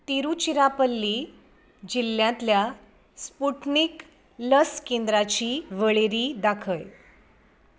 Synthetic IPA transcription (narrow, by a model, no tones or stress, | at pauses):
t̪iɾut͡ɕiɾapəlːiː | d͡ʑilːjãt̪lja | spuʈnik | ləskend̪ɾat͡ɕiːʋəɭeɾiːd̪akʰəj